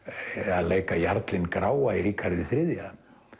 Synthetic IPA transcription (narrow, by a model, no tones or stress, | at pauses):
aðleːjkajaɾt̪lɪnkɾaːwaiɾikʰaɾðɪθɾɪðja